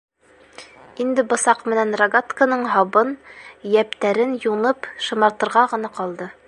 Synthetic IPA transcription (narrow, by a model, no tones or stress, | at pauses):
ind̪ɘbŏsɑqmɘ̆nænrɐɡat̪kanɤɴɦɑβɤnjæpt̪æɾɘnjunɤpʃɤ̆mɑɾt̪ɤ̆ɾʁɑʁɤ̆nɑqɑlˠd̪ɤ